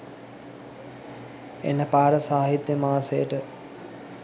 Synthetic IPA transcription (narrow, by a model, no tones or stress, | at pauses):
ḛnəpaːɾəsaːɦit̪jəmaːsejəʈə